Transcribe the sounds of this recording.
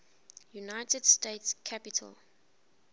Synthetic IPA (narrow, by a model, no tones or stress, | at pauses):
junaɪtɛd̥steɪtskʰapitʰə̰l